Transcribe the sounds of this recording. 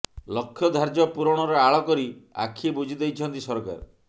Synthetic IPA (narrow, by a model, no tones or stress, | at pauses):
lɔkʰːjɔd̪ʱaɾd͡ʒɔpuɾɔɽ̃ɔɾɔaɭɔkɔɾia̰kʰːiebud͡ʒʱid̪ejt͡ʃʰɔnt̪isɔɾka̰ɾɔ